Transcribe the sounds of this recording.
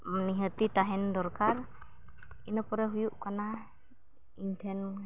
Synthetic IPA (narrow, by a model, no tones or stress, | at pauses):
maniɦət̪itaɦɛndɔɾkaɾ | inɔpɔɾɛɦujuʔkana | intʰɛn